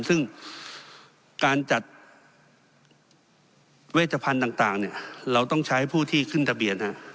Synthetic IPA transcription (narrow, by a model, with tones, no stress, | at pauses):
sɯ˥˩ŋ | kaː˧nt͡ɕa˨˩t̪̚ | weː˥˩t̪̚ʰːa˧pʰa˧nt̪aː˨˩ŋt̪aː˨˩ŋni˥˩ɐɾa˧wt̪ɔ˥˩ŋt͡ɕʰa˦˥jpʰuː˥˩t̪ʰiː˥˩kʰɯ˥˩nt̪ʰa˧bi˧˩ənha˧˥ʔ